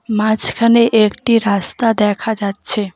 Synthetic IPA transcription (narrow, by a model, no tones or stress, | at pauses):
mãt͡ʃkʰəneʔekʈiɾast̪ad̪ɛkʰad͡ʒad̪t͡ʃʰe